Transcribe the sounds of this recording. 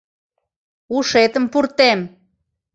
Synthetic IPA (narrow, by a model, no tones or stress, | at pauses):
uʃet̪əmpurt̪em